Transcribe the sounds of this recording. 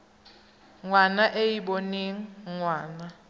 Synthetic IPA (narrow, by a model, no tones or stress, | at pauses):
ŋwanaʔejiɓoniŋ̩ŋwaːna